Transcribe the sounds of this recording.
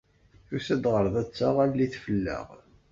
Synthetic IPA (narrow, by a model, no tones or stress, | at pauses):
θusæd̪ʁəɾˤðˤæt͡sːaʁælliθfəlːə̰ʁ